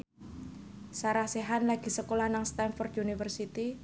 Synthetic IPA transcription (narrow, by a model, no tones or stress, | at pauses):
saɾahseɦanlaɡ̥i̤səkolahnaŋst̪anfɔrd̪unifərsit̪i